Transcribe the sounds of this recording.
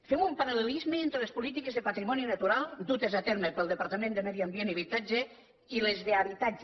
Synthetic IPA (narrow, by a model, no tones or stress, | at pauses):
femumpaɾalelizmeent̪ɾelespulit̪ikezðəpat̪ɾimɔninət̪uɾalˠd̪ut̪ezat̪ɛɾməpəlˠd̪əpaɾt̪əmẽnd̪əmɛðjiambieniβit̪ad͡ʒe | ilezðeaβit̪ad͡ʒ